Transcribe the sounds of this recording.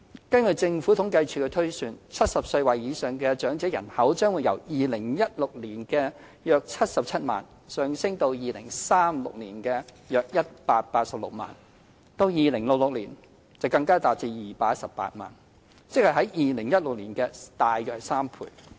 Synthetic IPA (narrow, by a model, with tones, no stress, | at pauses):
kɐ˥nkɵ˨t͡sɪ˧ŋfuː˨˥t̪ʰʊ˨˥ŋkɐ˧jt͡sʰyː˨˩kɛ˧t̪ʰɵ˥ɥsyː˧nt͡sʰɐ˥t̚sɐ˨p̚sə˧ɥwɐ˨˩jiː˨˧˥sœː˨ŋkɛː˧t͡ʃœː˨˥ŋt͡sɛː˨˥jɐ̰˨˩nhɐ˨˥wt͡ʃœː˥ŋwuː˨˧jɐ̰˨˩wjiː˨lɪ˨˩ŋjɐ˥t̚lʊ˨k̚liː˨˩nkɛː˧ | jœː˨˧k̚t͡sʰɐ˥t̚sɐ˨p̚t͡sʰɐ˥t̚ma̰ː˨˩n | sœː˨ŋsɪ˥ŋt̪o˧wjiː˨lɪ˨˩ŋsaː˥mlʊ̰˨k̚liː˨˩nkɛː˧ | jœː˨k̚jɐ˥t̚paː˧t̚paː˧t̚sɐ˨p̚lʊ̰˨k̚ma̰ː˨n | t̪o˧wjiː˨lɪ˨˩ŋlʊ˨k̚lʊ˨k̚lḭː˨˩n | t͡sɐ˨wkɐ˧ŋkaː˥t̪aː˨˩p̚t͡siː˧jiː˨paː˧t̚sɐ˨pːa̰ː˧t̚ma̰ː˨˩n | t͡sɪ˥k̚hɐ˨jɦɐ˨˦˥jjiː˨˩lɪ˨˩ŋjɐ˥t̚lʊ˨k̚liː˨˩nkɛː˧t̪aː˨˩jjœː˨˧k̚saː˥mpʰṵː˨˩j